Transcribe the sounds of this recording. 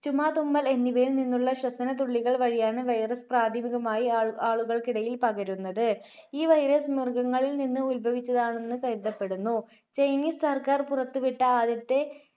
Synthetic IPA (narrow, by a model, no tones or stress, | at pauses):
t͡ɕumaːt̪umːɐle̞nːiʋɐjilninːuɭːɐɕrɐsɐnɐt̪̬uɭːiɣɐɭʋɐɻijaːɳɨʋɐjrɐspraːd̪ʱɐmiɣɐmaːjiaːɭuɣɐɭkiɽɐjilpɐɣɐɾunːɐðɨ | iːʋɐjɾɐsmirɡɐŋːɐɭilninːɨulbʱɐʋit͡ɕːɐðaːɳe̞nːɨkɐjd̪ːɐpːe̞ɽunːu | t͡ɕɐjniːssɐrkaːrpurɐt̪ːuʋiʈːɐaːd̪jɐt̪ːe̞